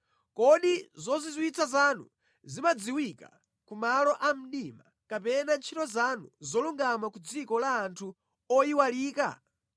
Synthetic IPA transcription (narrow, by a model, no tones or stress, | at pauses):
kɔɗizɔzizwit͡sʰazanṵ | zimad͡ziwika̰ | kumalɔʔam̩ɗima | kapɛnant͡ʃʰitɔzanuzɔluŋɡamakud͡zikɔlaːntʰu | ɔiwaliːka̰